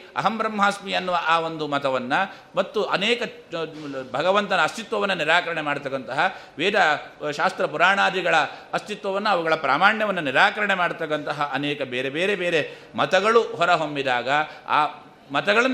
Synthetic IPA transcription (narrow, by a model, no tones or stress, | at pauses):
ɐ̰ɦɐmbɾɐmɦaːsmiɐnːuʋɐʔaːʋond̪umɐt̪ɐʋɐnːɐ | mɐt̪ːuʔɐnɛːkɐ | bʱɐɡɐʋɐnt̪ɐnɐːst̪it̪ʋɐʋɐnːɐniɾaːkɐɾɐɳemaːɽut̪ɐkːɐnt̪ɐɦɐʋeːd̪ɐʃaːst̪ɾɐpuɾaːɳaːd̪iɡɐɭɐːst̪it̪ʋɐʋɐnːɐːʋuɡɐɭɐpɾaːmaːɳjɐʋɐnːɐniɾaːkɐɾɐɳemaːɽut̪ɐkːɐnt̪ɐɦɐʔɐnɛːkɐbeːɾebeːɾebeːɾe̞ | mɐt̪ɐɡɐɭuɦɔɾɐɦombid̪aːɡɐa̰ː | mɐt̪ɐɡɐɭɐn